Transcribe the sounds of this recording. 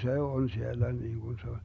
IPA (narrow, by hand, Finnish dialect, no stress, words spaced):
se on sielːæ niːŋɡ̊un se on̞